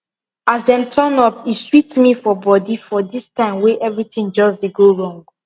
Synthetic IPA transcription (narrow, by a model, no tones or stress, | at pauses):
azdɛ̃mtʰɜnɔpiswitmifɔbɔdifɔdistãɪ̃mweʔɛvɹitĩŋd͡ʒɔzdeɡoɹɔ̃ŋɡ